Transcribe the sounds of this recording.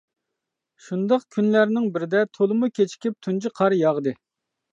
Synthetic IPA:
ʃund̪ɑqkʲʰynlæɾnɪŋbɪɾɪd̪ɛt̪ʰolˠɨmukʲʰet͡ʃʰi̥kʲip̚t̪ʰund͡ʒiqʰɑɾjɑʁd̪ɨ

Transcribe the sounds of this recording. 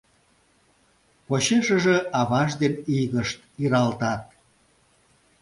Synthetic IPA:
poɕeʃəʒeɑβɑʒd̪eniɣəʃt̪iɾɑlt̪ɑt̪̚

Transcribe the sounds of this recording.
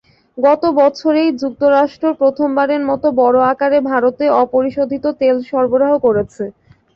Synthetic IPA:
ɡɔt̪obɔt͡ɕʰoɾejd͡ʑuk̚t̪oɾaʃʈɾopɾot̪ʰombaɾeɾmɔt̪obɔɾoakaɾebʱaɾot̪eɔpoɾiʃod̪ʱit̪ot̪elʃɔɾboɾaɦokoɾet͡ɕʰe

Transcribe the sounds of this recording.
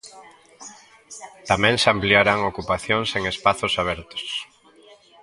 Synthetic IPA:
t̪amɛ̃ŋsampliaɾaŋokupaθjoŋseŋespaθʊsaβ̞ɛɾt̪o̥s

